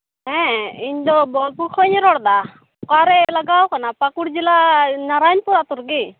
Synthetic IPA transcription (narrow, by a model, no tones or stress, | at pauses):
ɦɛ̃iɲd̪ɔbɔlpuɾkʰɔjɲɛɾɔɽd̪a | kaɾɛlaɡawkanapakuɽd͡ʒilanaɾajnpuɾat̪uɾɡi